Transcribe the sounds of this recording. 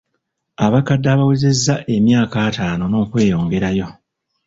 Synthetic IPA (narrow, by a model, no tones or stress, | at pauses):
aβakadːaːβaweze̞zːaʔe̞mjaːkaːtaːno̞no̞ːkwe̞ːjo̞ːŋɡe̞ɾajo̞